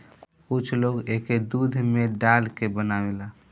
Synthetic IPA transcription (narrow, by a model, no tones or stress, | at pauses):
kʊt͡ʃʰloːɡeked̪ud̪ʱmeɖalkebənawela